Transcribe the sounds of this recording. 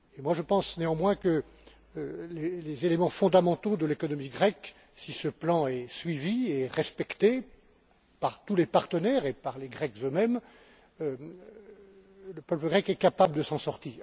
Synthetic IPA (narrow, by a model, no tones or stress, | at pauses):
emwaʒəpɑ̃sneɑ̃mwɛ̃kə | lelezelemɑ̃fɔ̃d̪amɑ̃t̪od̪əlekɔnɔmiɡʁɛk | sisəplɑ̃ɛsɥivieʁɛspɛkt̪e | paʁt̪ulepaʁt̪ənɛʁepaʁleɡʁɛkzømɛm | ləpœpləɡʁɛkɛkapabləd̪əsɑ̃sɔʁt̪iːʁ